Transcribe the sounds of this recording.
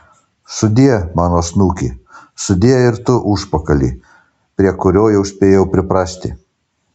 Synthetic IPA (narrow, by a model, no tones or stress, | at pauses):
sʊd̪ʲiɛmɑːnoːsnuːkʲḭːsʊd̪ʲiɛɪɾt̪ʊʔʊʃpɐkɐlʲḭː | pʲɾʲiɛkʊɾʲoːjɛʊsʲpʲeːjɛʊpʲɾʲɪpɾɑːsʲt̪ʲɪ̰